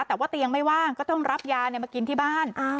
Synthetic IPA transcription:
t̪ɛː˨˩waː˥˩t̪i˧əŋma˥˩jwaː˥˩kɔː˥˩t̪ɔ˥˩ŋɾa˦˥p̚jaː˧n˧˩maː˧ki˧nt̪ʰiː˥˩baː˥˩n˧

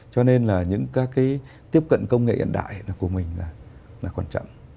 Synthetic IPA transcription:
t͡ɕɔ˧ne˧nlaː˨˩ɲɨ̰˧˥ŋkaː˨˦kːaː˨˦j | t̪i˦˥əp̚kə̰˧˨nkə˧wŋ͡mŋḛ˧˨ʔə̰˧˨nɗa̰ː˧˨jlaː˨˩ku˧˩əmï˨˩ŋ̟laː˨˩ | laː˨˩kwaː˧˩nt͡ɕɔ̰˧˨wŋ͡m

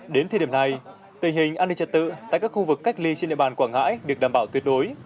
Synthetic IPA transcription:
ɗe˨˦nt̪ʰːɗi˧˩na˨˩j | t̪ï˨˩ŋ̟hï˨˩ŋ̟ʔaː˧nɗï˧˩t͡ɕə˨˩t̪̚ɨ̰˧˨t̪a̰ː˧˨jkaː˦˥kxu˧vɨ˨˩kːk̟̚li˧t͡ɕe˧nɗḭ˧˨ɓːnkwaː˧˩ŋa̰ː˧˥jɗɨ˨˩ək̚ɗaː˨˩mɓaː˧˩wt̪wi˨˩ət̚ɗo˨˦j

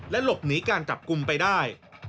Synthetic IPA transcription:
lɛ˦˥lo˨˩p̚niː˩˦˥kaː˧nt͡ɕa˨˩p̚ku˧mpa˧jdaː˥˩j

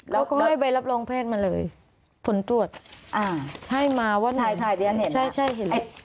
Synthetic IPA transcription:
ka˦˥wkɔː˥˩˦ɦa˥˩jba˧jla˦˥p̚loː˧ŋpʰeː˥˩t̪̚ma˧lɤː˧j | pʰo˩˦nt̪u˧˩ət̪̚ʔa˧˩ha˥˩jmaː˧wa˦˥na˥˧˩a˥˩jdi˧˩˨t͡ɕʰa˥˩jt͡ɕʰa˥˩jɦe˨˦˧

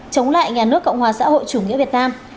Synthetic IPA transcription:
t͡ɕə˨˦wŋ͡mla̰ː˧˨jɲaː˨˩nɨ˦˥əkːə̰˧˨wŋ͡mhwaː˨˩sa̰ː˧˥ho̰˧˨jt͡ɕu˧˩ŋḭ˧˥əvi˨˩ət̚naː˧m

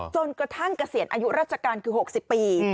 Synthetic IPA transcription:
t͡ɕo˧nkɾa˧t̪ʰa˥˩ŋkɾa˧si˨˩˦ənʔaː˧ju˦˥ʔɾaː˥˩t͡ɕʰa˧kaː˧nkʰɯː˧ho˨˩k̚si˨˩pːiː˧

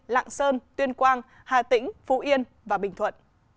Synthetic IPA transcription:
la̰ː˧˨ŋsəː˧nt̪wi˧ənkwaː˧n | haː˨˩t̪ï˧˥ŋ̟fu˧˦ʔi˧ən | vaː˨˩ɓï˨˩ŋ̟t̪ʰwə̰˧˨n

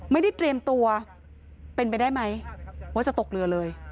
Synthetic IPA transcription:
ma˥˩jda˥˩jt̪ɾi˧əmt̪u˧ɐ | pe˧np̬a˧jdaː˥˩jma˦˥jwa˦˥˩t͡ɕa˨˩t̪o˨˩k̚lɯ˧ɐlɤː˧j

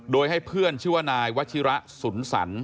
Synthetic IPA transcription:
doː˧jɦa˥˩jpʰɯ˥˩ənt͡ɕʰɯː˥˩wa˦˩naː˧jwa˦˥t̪̚t͡ɕʰi˦˥ɾa˦˥ʔsu˩˦nsa̰˩˦n

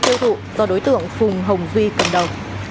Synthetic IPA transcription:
t̪i˧əwt̪ʰṵ˧˨zɔ˧ɗo˨˦jt̪ɨ̰˧˨əŋfʊ˨˩ŋ͡mɦə˨˩wŋ͡mvi˧kə˨˩nɗə˨˩wŋ͡m

